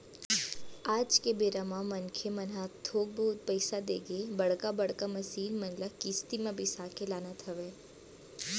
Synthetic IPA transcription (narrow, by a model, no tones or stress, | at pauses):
aːd͡ʒkebeːɾamãmɐnkʰemənɦat̪ʰoːɡ̚bəɦʊt̪̚pəɪsad̪ḛːɡebɐɽkabəɽkamɐsiːnmə̃nlakiːst̪imẽbʱisaːkelaːnat̪ʰɐʋeː